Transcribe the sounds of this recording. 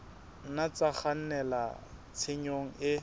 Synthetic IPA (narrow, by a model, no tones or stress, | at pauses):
nat͡saχan̩nɛla̰t͡sʰeɲoŋ̩ɪ